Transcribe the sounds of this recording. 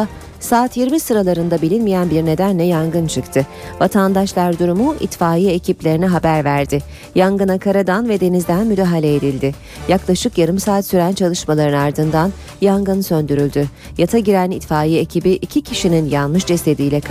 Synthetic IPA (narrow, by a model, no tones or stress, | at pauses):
saːt̪jiɾmisɯɾalˠaɾɯnd̪abilʲinmijænbiɾne̞d̪ænlʲɛjaŋɡɯnt͡ʃʰɯkt̪ʰɯvat̪ʰand̪aʃlˠaɾd̪uɾumuʔḭt̪faːjiecʰiplʲe̞ɾiniɦabæɾvæɾd̪ɪ | jaŋɡɯnakʰaɾad̪anvɛd̪e̞nizd̪ænmyd̪aːɦalʲɛed̪ilʲd̪ɪ | jaklˠaʃɯkjaɾɯmsaːt̪syɾænt͡ʃʰalˠɯʃmalˠaɾɯnaɾd̪ɯnd̪an | jaŋɡɯnsønd̪yɾylʲd̪y | jat̪ʰaɟiɾænit̪faːjiecʰibiʔicʰicʰiʃininjanmɯʃd͡ʒest̪e̞d̪iːlʲɛk